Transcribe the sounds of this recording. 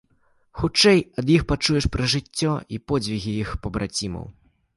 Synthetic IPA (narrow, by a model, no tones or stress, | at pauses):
xut͡ʂɛjɐd̪jixpat͡ʂujɛʂpɾɐʐɨt͡sʲːɔipɔd͡zʲvʲiɣʲijixpɐbɾʔat͡sʲimɐ̰w